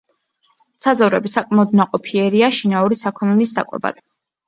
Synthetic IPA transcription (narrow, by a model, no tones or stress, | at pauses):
sad̪zavɾɛbisakʼmɛɔd̪naqʼɔpʰiɛɾiaʃinauɾisakʰɔnɛlisda̰kʼwɛ̰ba̰d̪̥